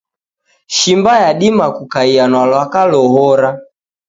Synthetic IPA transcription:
ʃimbajaɗimakukaianwalwakalɔɦɔɾa

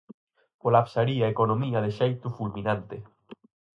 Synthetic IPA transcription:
kolapsaɾiaekonomiaðeʃejt̪ufulminãnt̪e

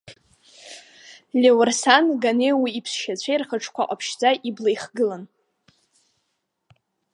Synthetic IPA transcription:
lʲewrsanɡanejwiːpʰsʃat͡ɕʷʰejrχəʈ͡ʂʰkʷʰa̰ʔʼa̰pʰʃd͡zaʔiblejχɡɨlan

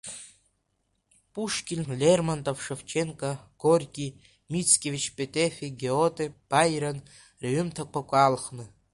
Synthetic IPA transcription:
pʼuʂkʲinʲlʲermant̪ʼofʂeft͡ʃʰeŋkʼaɡ̥orʲkʲʼi | mʲit͡skʲʼevʲit͡ʃpʼet̪ʼefʲiɡʲeot̪ʼeb̥ajɾɐn | rʲeɥʏmt̪ʰakʷʰakʷʼalχnɨ

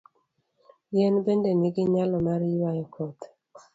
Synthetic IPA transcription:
jɛnbendenɪɡɪɲalɔmaɾjwajɔkʰɔt̪

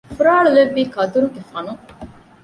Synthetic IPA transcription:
fuɾaːɭuleʋːiːkɐd̪uɾuɡefɐnu

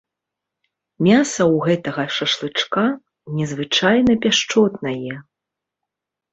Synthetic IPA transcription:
mʲasɐwɣɛt̪ɐɣɐʂɐʂlˠɨt͡ʂka | nʲɛzvɨt͡ʂajnɐpʲaʂt͡ʂɔt̪nɐjɛ

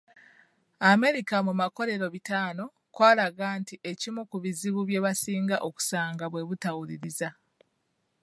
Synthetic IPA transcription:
ame̞ɾikamumako̞ɾe̞ɾo̞βitaːno̞ | kwaːlaɡaːntiʔe̞cimukuβiziβuβje̞βasiːŋɡaʔoku̥saːŋɡaβwe̞βutawuliɾiza

